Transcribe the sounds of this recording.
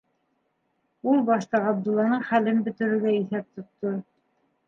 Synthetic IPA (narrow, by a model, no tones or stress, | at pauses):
ulˠbɑʃt̪ɑʁɑb̚d̪ulˠːɑnɤɴχælɘnbɵ̆t̪ɘ̆ɾɘ̆ɾɡæiθæp̚t̪ŏt̪ːo